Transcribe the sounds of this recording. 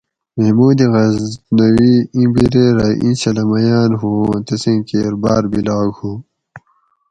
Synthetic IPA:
mehmuːd̪iɣɐznɐwiĩbiɾeɾɐʔḭ̃nɕɐlɐmɐjaːnɦũːt̪ɐsẽːkeːɾba̰ːɾbilaːɡhuː

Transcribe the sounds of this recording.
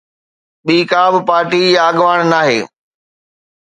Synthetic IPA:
ɓiːkaːbɪpaːɾʈiaːɠʋaːɽ̃naːɦḛː

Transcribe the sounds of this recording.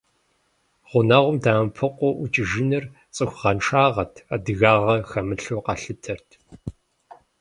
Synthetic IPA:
ʁʷʊnaːʁʷʊmdaːmpʰɨqʷʼɔʔʊt͡ʃʼɪʒɪnɨr | t͡sʼɨxʷʁɐnʂaːʁɐtʰaːdɨɣaːʁɐxɐmɨɬoqɑɬɨtʰɐrtʰ

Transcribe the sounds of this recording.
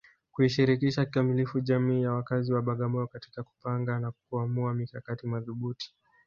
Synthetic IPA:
kuiʃiɾikiʃakikamilifuʄamiːjawakaziwaɓaɠamɔjɔkati̥kaku̥paŋɡanakuamuamikakatimaðuɓuti̥

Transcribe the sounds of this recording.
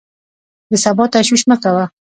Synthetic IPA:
d̪əsabɑt̪aʃwiʃməkawa

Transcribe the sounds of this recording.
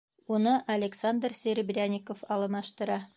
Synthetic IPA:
unɤʔɐlʲeksand̪rsʲeɾʲɪbrʲanʲikofɑlˠɤ̆mɑʃt̪ɤ̆ɾɑ

